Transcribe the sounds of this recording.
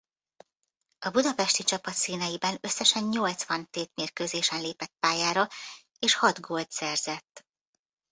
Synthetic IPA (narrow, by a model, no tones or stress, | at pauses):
ɒbud̪ɒpɛʃt̪it͡ʃɒpɒt̪siːnɛjibɛnø̞sːɛʃɛɲɲolt̪sʋɒnt̪eːt̪meːrkøːzeːʃɛnleːpɛt̪̚paːjaːɾɒ | eːʃhɒd̪ɡolt̪sɛrzɛt̪ː